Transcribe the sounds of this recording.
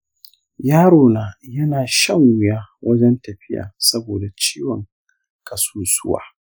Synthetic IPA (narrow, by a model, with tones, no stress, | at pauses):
jaː˦ɽoː˨naː˨jɐ˦naː˨ʃɐ˦˨ŋwʊ˦jaː˦wɐ˦d͡ʒɛ˦ntɐ˨ɸɪ˦ja̰ː˨sɐ˦boː˨da˨t͡ʃiː˦wɔ˨ŋ | kʰɐ˨suː˦sʊ˦wa̰ː˦